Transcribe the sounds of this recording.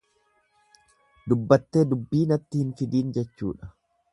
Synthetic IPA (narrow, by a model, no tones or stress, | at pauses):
d̪ʊbːɐt̪ːeːd̪ʊbːiːnɐt̪ːɪhɪnfɪd̪iːnd͡ʒɛt͡ʃːṵːᶑɐ̥